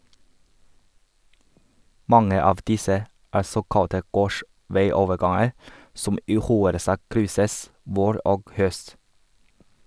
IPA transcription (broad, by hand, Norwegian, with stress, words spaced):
ˈmɑŋə ˈɑːʋ ˈdɪsə ˈæː ˈsoːkɑtə ˈɡoːʃʋæɪˌoːʋəˌɡɑŋəɾ ˈsʊm ˈiː ˈxuːəɾəˌsɑːk ˈkɾʏsəs ˈʋoːɾ ˈʔoːɡ ˈhœst